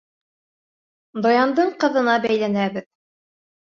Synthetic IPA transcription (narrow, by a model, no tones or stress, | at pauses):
d̪ojɑnd̪ɤɴqɤ̆ðɤ̆nɑbæjlænæbɘð